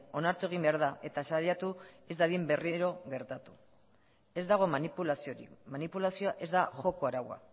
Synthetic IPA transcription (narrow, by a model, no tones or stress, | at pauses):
o̞naɾt̪ue̞ɣ̞imbe̞aɾðaʔe̞t̪asaʎat̪ue̞zd̪aðimbe̞riɾo̞ɣe̞ɾt̪at̪u̥ | e̞zd̪aɣ̞o̞manipulasioɾḭmanipulasioaʔe̞zd̪axo̞ko̞aɾawa̰